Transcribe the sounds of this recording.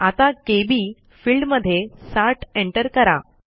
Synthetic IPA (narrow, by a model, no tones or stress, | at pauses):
at̪akebiː | fiːlɖməd̪ʱːjesaɾʈeɳʈəɾkəɾa̰